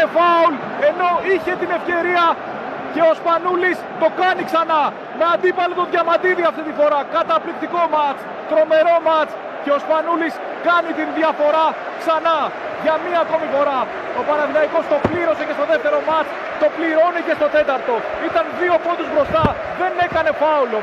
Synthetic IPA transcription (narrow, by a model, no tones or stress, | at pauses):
efɐul | e̞no̞içe̞t̪ine̞fce̞ɾiɐ | ce̞ospɐnulist̪o̞kɐniksɐnɐ | me̞ɐnd̪ipɐlet̪oðʝɐmɐd̪iðiɐft̪it̪ifo̞ɾɐkɐt̪ɐplik̚t̪iko̞mɐt͡s | t̪ɾo̞me̞ɾo̞mɐt͡s | ce̞o̞spɐnulis | kɐnit̪inðʝɐfo̞ɾɐ | ksɐnɐ | ʝɐmiɐːko̞mifo̞ɾɐ | o̞pɐnɐðilɐiko̞st̪o̞pliɾo̞se̞cest̪o̞ðeft̪e̞ɾo̞mɐt͡s | t̪o̞pliɾo̞nice̞st̪o̞t̪e̞t̪ɐɾt̪o̞ | it̪ɐnðio̞po̞t̪uzbɾo̞st̪ɐ | ðe̞ne̞kɐne̞fɐulo̞